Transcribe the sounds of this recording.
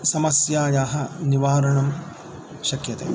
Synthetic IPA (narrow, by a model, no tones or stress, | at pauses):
sɐmɐsjaːjaːɦɐniʋaːɾɐɳɐm | ʃɐkjɐt̪ḛː